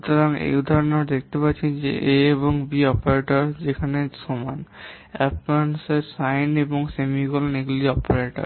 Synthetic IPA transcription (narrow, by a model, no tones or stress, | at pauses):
ʃut̪oɾaŋḛjud̪ʱaɾonad̪ek̚ʰt̪epatːʃʰend͡ʑḛʔeeboŋbiɔpaɾeʈoɾd͡ʑekʰanesoman | ɛpnanseɾsajneboŋsemikolneɡliɔpeɾeʈa̰ɾ